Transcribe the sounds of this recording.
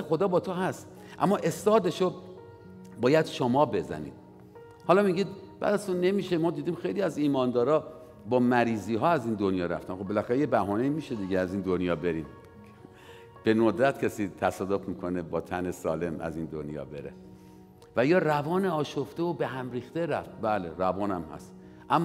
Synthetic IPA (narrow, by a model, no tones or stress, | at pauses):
xo̞d̪ɒːbɒːt̪ʰoɦæst̪ | ʔæ̰mːɒːʔe̞st̪ɒːd̪eʃo | bɒːjæd̪̥ʃomɒːbe̞zæ̰nḭːd̪̥̚ | hɒːlɒːmiɡʲiːd̪̚b̥æ̰ːd̪æzt̪ʰunːe̞miːʃemɒːd̪iːd̪iːmxe̞jliːæziːmɒːnd̪ɒːɾɒː | bɒːmæɾiːziːɦɒːæziːnd̪onjɒːɾæ̰ft̪ænxobelæxæɾeje̞bæɦɒːne̞iːmiːʃe̞d̪iːɟʲeæziːnd̪onjɒːbe̞ɾiːmʰ | e | b̥e̞nod̪ɾæt̪̚cʰesiːt̪ʰæsɒːd̪ofmiːkʰonebɒːt̪ʰænesɒːle̞mæ̰zind̪onjɒ̰ːbe̞̰ɾḛ | væjɒːrævɒːneɒːʃoft̪eobe̞ɦæmriːxt̪e̞ɾæft̪̚bæːleɾævɒːnæmhæ̰st̪ | ʔæmː